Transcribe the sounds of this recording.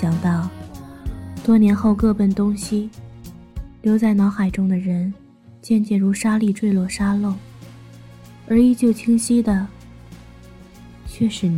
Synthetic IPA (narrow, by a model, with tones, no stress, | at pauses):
jɑ˨˩ŋt̪ɑ˥˩ʊ | t̪wɔ˥njɛ˧˥nxo˥˧ʊkɤ˥˧pə˥˩nt̪ʊ˥ŋɕi˥ | ljo˧˥ʊt͡sa˥˩ɪnɑ˧˥ʊxa˨˩ɪʈ͡ʂʊ˥ŋd̪ə˨ɻə˧˥n | t͡ɕjɛ˥˧nt͡ɕjɛ˥˩ɻu˧˥ʂa˥li˥˧ʈ͡ʂwe˥˧ɪlwɔ˥˩ʂa˥lo˥˩ʊ | ə˞˧˥i˧˩t͡ɕjo˥˩ʊt͡ɕʰi˥ŋɕi˥d̪ə˨ | t͡ɕʰɥɛ˥˩ʂɻ̩˧˥